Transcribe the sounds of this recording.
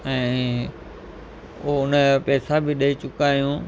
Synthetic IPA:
ɛ̃ː | ooʊnəpɛːsabɪɗɐit͡ɕʊkaːijũː

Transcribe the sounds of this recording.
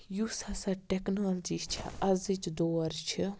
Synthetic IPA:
jusɐsaʈeknoːld͡ʒit͡ʃʰḭʔɐzit͡ʃd̪oːɾt͡ʃʰi

